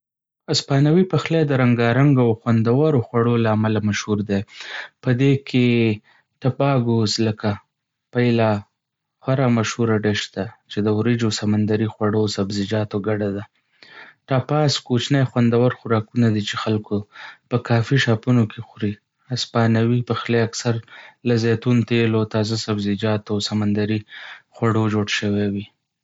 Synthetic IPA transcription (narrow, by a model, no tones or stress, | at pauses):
aspɑnawipaxlad̪əɾaŋɡɑɾaŋɡoawxwand̪awaɾoxwaɽolaːmalamaʃhuɾd̪ajpəd̪ekʰe | ʈ̪apɑɡozləka | pajla | xwaɾamaʃhuɾaɖeʃt̪at͡ʃed̪əwɾɪd͡ʒosamand̪aɾixwaɽosabzɪd͡ʒɑt̪oɡaɖad̪a | ʈɑpɑskot͡ʃnajxwand̪awaɾxʊɾɑkunad̪it͡ʃexalkopəkɑfiʃɑpunokexɾi | aspɑnawipəxleaksaɾlazet̪unt̪elot̪ɑzasabzɪd͡ʒɑt̪osamand̪aɾixwaɽod͡ʒoɽʃəwewi